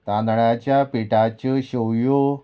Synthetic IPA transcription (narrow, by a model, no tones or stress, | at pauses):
t̪anɭat͡ɕjapiʈat͡ɕəɕowjo